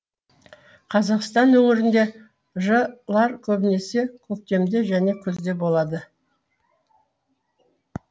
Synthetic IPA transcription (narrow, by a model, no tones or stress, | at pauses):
qʰɑzɑqst̪ɑnɵŋɪɾɪnd̪e̞ | ʒəlˠɑɾkʲʰɵbɪne̞se̞kʲʰɵk̚t̪e̞md̪e̞ʒæne̞kʲʰɵzd̪e̞bo̞lˠɑd̪ə